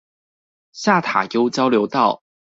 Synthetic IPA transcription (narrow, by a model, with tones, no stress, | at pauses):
ɕja˥˨t̪ʰa̰˨˩jo˥˦ʊt͡ɕjɑ˥˦ʊljo˨˧˦ʊt̪ɑ˥˨ʊ